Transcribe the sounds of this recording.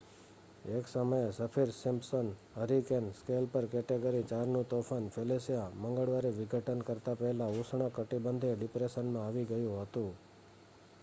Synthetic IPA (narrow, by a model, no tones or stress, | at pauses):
eksəməjesəpʰiɾsɪmpsənɦəɾikenskelpəɾkɛʈeɡəɾit͡ʃaɾnũt̪ofʰanfʰelesjaməŋɡəɭʋaɾiʋɪɡʱəʈənkəɾt̪apəɦɛlausɳ̃əkəʈibənd̪ʱeɖɪpɾeʃənmãaʋiɡəjũɦət̪ũ